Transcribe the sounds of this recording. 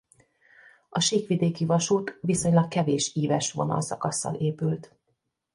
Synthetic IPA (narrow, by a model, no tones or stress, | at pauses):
ɒʃiːkʋid̪eːkivɒʃuːt̪ʋiso̞ɲlɒkkːɛveːʃiːvɛʃʋo̞̰nɒ̰lsɒkɒsːɒ̰lʔeːpylt̪